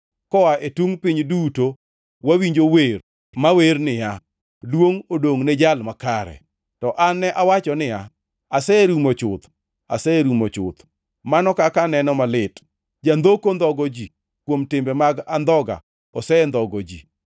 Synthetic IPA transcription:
kɔaʔetuŋpɪɲduto | wawiɲd͡ʒower | maweɾnɪja | lwoŋodoŋned͡ʒalmakaɾɛ̰ | tɔʔanːɛʔawat͡ʃɔnɪja | asɛɾumot͡ʃʊt̪ | a̰sɛɾumot͡ʃʊ̰t̪ | manɔkakanɛnɔmalɪt | d͡ʒand̪okond̪ɔɡɔd͡ʒi | kwomtɪmbɛmaɡand̪ɔɡa̰ | ɔsɛnd̪ɔɡɔd͡ʒḭ

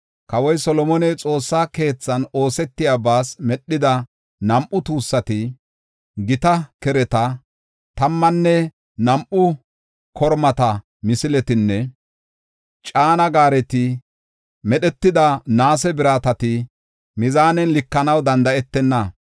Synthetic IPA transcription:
kɐwɔjsɔlɔmɔnɛjt͡sʼo̞ːsːaːke̞ːt͡sːɐno̞ːsɛt̪ːɪjabaːsmɛɗːɪd̪ɐ | nɐmʔʊt̪uːsːɐt̪ɪ | ɡɪt̪ɐkɛɾɛt̪ɐ | t̪ɐmːɐnːɛ | nɐmʔʊ | kʰɔɾmɐt̪ɐ | mɪsɪlɛt̪ɪnːɛ | t͡ʃʼaːnɐɡaːɾɛt̪ɪ | mɛɗɛt̪ːɪd̪ɐnaːsɛbɪɾaːt̪ɐt̪ɪ | mɪzaːnɛnlɪkːɐnɐwd̪ɐnd̪ɐɛt̪ːɛnːɐ

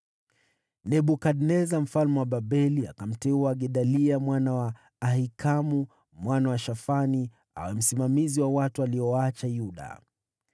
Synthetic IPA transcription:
nɛɓukaɗnɛzam̩falmɛwaɓaɓɛlia̰kam̩tɛuaɡɛɗaliamwanawaː | hikʰamu | mwanawaʃafani | a̰wɛm̩simamiziwawatualiɔwaat͡ʃajuɗa̰

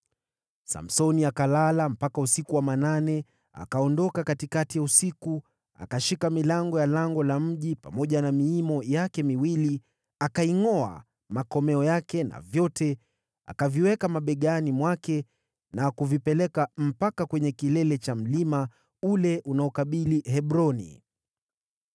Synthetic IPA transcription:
sa̰m̩sɔniakalalam̩pakausikuwamananɛ | a̰kaɔndɔkakatikatijausiku | a̰kaʃikamilaŋɡɔjalaŋɡɔlam̩ʄipa̰mɔʄanamiimɔjakɛmiwili | akaiŋɔa̰ | makɔmɛɔjakɛna̰vjɔtɛ | a̰kaviwɛkamaɓɛɠanimwakɛ | nakuvipɛlɛkam̩pakakwɛɲɛkilɛlɛt͡ʃam̩lima | ulɛʔunaɔkaɓiliɦɛɓɾɔnḭ

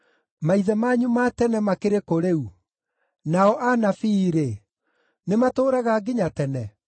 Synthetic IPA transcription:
maiðɛmaːɲumatɛnɛmakeɾekoɾeu | naɔʔanafiːɾe | nematoːɾaɣaɡiɲatɛnɛ

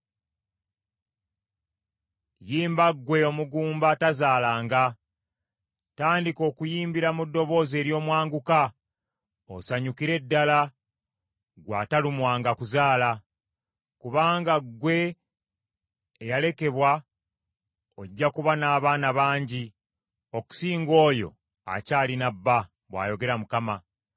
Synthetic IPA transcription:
jiːmbaɡwe̞o̞muɡuːmbatazaːlaːŋɡa | taːndiko̞ːkujiːmbiɾamudːo̞βo̞ːze̞ːɾjo̞ːmwaːŋɡuka | o̰saɲukiɾe̞dːala | ɡwaːtalumwaːŋɡakuzaːla | kuβaːŋɡaɡwe̞ | jale̞ke̞βwa | oɟːakuβanaːβaːnaβaːɲɟi | o̞ku̥siːŋɡo̞ːjo̞̰ | a̰caːlinabːa | βwa̰ːjo̞ɡe̞ɾamukama

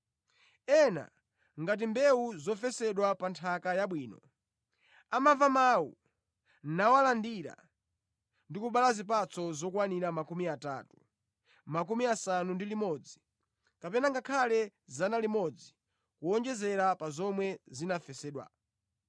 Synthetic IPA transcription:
ɛna̰ | ŋɡat̬imbɛuzɔfɛsɛɗwapantʰakajaɓwiːnɔ̰ | amavamawṵ | nawalandiɾa̰ | ndikuɓalazip̬at͡sʰɔzɔkwaniɾamakumiata̰tu | makumiasanundilimɔd͡zi | kapɛnaŋɡakʰalɛzanalimɔd͡zi | kuɔnd͡ʒɛzɛɾapazɔmwɛzinafɛsɛɗwa̰

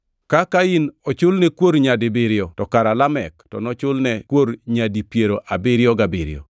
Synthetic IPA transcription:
kakainɔt͡ʃʊlnɛkwoɾɲadɪbɪɾɪɔtɔkaɾalamɛktɔ̰nɔt͡ʃʊlnɛkwoɾɲadipjeɾoʔabɪɾjɔɡabɪɾɪ̰ɔ̰

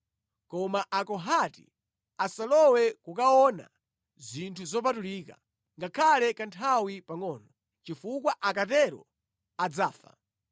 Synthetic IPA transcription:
kɔmaʔakɔɦatḭ | asalɔwɛkukaɔna̰ | zintʰuzɔp̬atuliːka̰ | ŋɡakʰalɛkantʰawipaŋɔːnɔ | t͡ʃifukwaʔakatɛɾɔ̰ | ad͡zaːfa̰

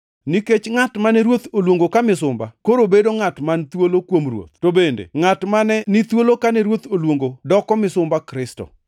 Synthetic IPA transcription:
niket͡ʃŋatmanɛɾwot̪olwoŋɡokamɪsʊmba̰koɾobedoŋatmant̪wolokwomrwo̰t̪̚tobendḛŋatmanɛnit̪wolokanɛɾwot̪olwoŋɡodɔkɔmɪsʊmbakɾɪstɔ̰

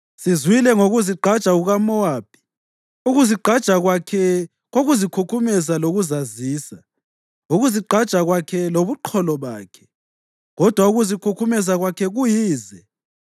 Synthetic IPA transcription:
sizwilɛŋoɣuziǃʱad̥t͡ʃʼaɣuɣamɔwaːb̥ʱʼi̥ | uɣuziǃʱḁt͡ʃʼaɣakʰɛ | ɣoɣuzikʰukʰumɛzaloɣuzaziːsa | ŋoɣuziǃʱad̥ʒ̥ʼʱaɣwakʰɛloβuǃʰɔlɔβa̰ːkʰɛ̥ | ɣɔd̥ʱwauɣuzikʰukʰumɛzaɣwakʰɛɣujiːzɛ

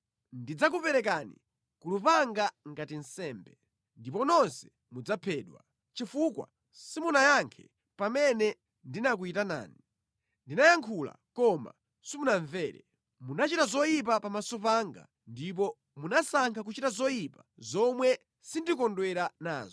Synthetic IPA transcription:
ndid͡zak̬upɛɾɛk̬aːnḭ | kulupaŋɡaŋɡatin̩sɛːmbɛ | ndipɔnɔnsɛ̥ | mud͡zapʰɛːɗwa̰ | t͡ʃifukwa̰ | simunajaŋkʰɛ̥ | pamɛnɛ | ndinak̬uitana̰ːni | ndinajaŋkʰula̰kɔma̰ | simunaɱvɛːɾɛ̰ | munat͡ʃitazɔjip̬apamasɔpaŋɡa̰ | ndip̬ɔ | munasaŋkʰak̬ut͡ʃitazɔjipazɔmwɛ | sindikɔndwɛɾana̰ːzɔ

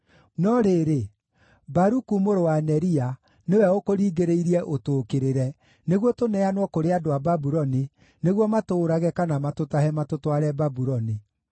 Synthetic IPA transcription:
nɔɾeɾe | baɾukumoɾowanɛɾia | newɛokoɾiːɡeɾeiɾiɛʔotoːkeɾeɾɛ | neɣwɔtonɛanwɔkoɾeadoababuɾɔni | neɣwɔmatoːɾaɣɛkanamatotahɛmatotwaɾɛbabuɾɔni

